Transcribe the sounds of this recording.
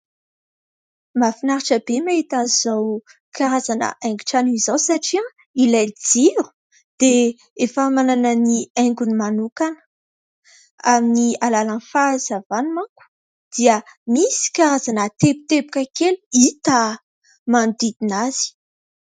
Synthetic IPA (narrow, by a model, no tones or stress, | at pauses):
mafinaɾaʈ͡ʂəbemait̪anz̥aw | kʰaɾazanə̰ʔajŋɡi̥ʈ͡ʂanuizawsaʈ͡ʂia | ilajld͡ziɾu̥ | d̪̥e | efamananəniajŋɡunimanukanə̥ | aminialalanfaz̥avanmaku̥ | d̪̥iəmisi̥kaɾazanət̪ebu̥t̪ebu̥kʲakeluit̪a | mand̪id̪inaz̥i̥